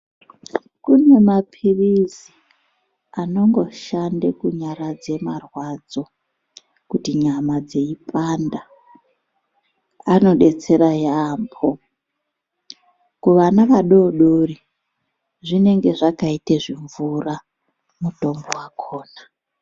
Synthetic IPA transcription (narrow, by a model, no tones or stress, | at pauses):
kune̞mapʰirizi | ano̞ŋɡo̞ʃandekuɲaɾad͡ze̞marwad͡zo̞ | kutiɲamad͡ze̞ipʰanda | ano̞ɗe̞t͡se̞ɾajaːmbʰo | kuʋanaʋaɗo̞ɗori | ʐine̞ŋɡe̞ʐakaiteʐiɱvura | muto̞mbowakʰoːna